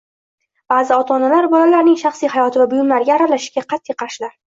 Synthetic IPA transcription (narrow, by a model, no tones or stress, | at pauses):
b̥aːzɪɒt̪ʰɒnalaɾbɒlalaɾnɪŋʃɑχsijhajɒt̪ʰɪvabʊjʊmlaɾɡʲaɾalaʃɪʃɡʲaqʰɑt̪ːijqʰɑɾʃɪlaɾ